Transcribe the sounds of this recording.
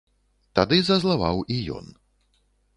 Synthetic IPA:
t̪ad̪ɨzɐzlˠavawijɔ̰n

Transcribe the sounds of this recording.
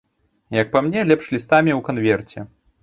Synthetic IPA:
jɐk̚pamnʲɛlʲɛpʂlʲist̪amʲiwkanvʲɛrt͡sʲɛ

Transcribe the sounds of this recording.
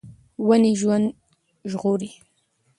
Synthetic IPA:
waniʒwand̪ | ʒɣʊɾi

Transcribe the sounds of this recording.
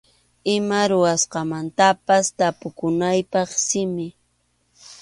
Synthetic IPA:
ɪmaɾʊwasqɑmant̪apast̪apʊkʊnajpɑχsɪmɪ

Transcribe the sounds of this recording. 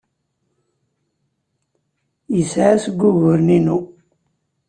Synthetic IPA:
jəsʕasɡʷːuʝʊɾninu

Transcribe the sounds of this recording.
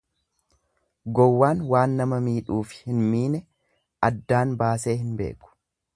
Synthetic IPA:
ɡɔwːaːnwaːnːɐmɐmiːᶑuːfɪ̥hɪnmiːnɛ | ɐd̪ːaːnbaːse̞ːhɪnbe̞̰ːkʊ̥

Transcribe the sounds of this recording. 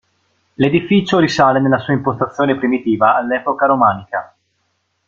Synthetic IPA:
led̪ifiːt͡ʃoɾisaːlenelːasuːaimpost̪at̪sːjoːnepɾimit̪iːvaːlːɛːpokaɾomaːnika

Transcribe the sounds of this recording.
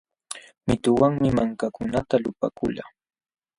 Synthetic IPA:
mɪt̪ʊwaŋmɪmaŋkakʊnat̪alʊpa̰kʊla

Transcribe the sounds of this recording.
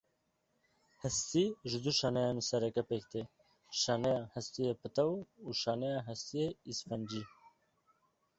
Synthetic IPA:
hɛst̪iʒɪd̪uʃɑːnɛjɑːnsɛɾɛkɛpeːkt̪e | ʃɑːnɛjɑːhɛst̪ijepɨt̪ɛwuʃɑːnɛjɑɦɛst̪ijeispɛnd͡ʒi

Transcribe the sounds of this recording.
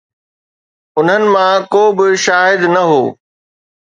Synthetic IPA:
ʊn̤ənɪ̆mãkoːbɪʃaːɦɪd̪nɐɦoː

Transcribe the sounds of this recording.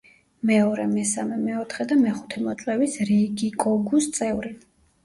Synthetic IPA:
mɛɔɾɛmɛsamɛmɛɔt̪ʰχɛd̪amɛχu̥t̪ʰɛmɔt̪sʼɛvisɾiɡikʼɔɡust̪sʼɛvɾi

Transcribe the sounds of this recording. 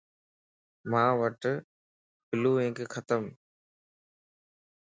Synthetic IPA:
mãːʋəʈ | pʰɪluːẽːŋkkʰət̪əm

